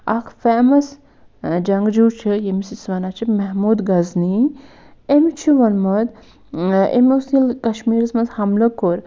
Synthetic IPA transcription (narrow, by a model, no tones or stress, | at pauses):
akʰfeːmɐs | d͡ʒɐŋɡd͡ʒuːt͡ʃʰɨjemisisʋɐnat͡ʃʰimɐɦmuːd̪ɡɐzni | emit͡ʃʰiʋɐnmɐd̪ | ḛmusilkɐʃmiːɾismɐnzhɐmlɐkoɾ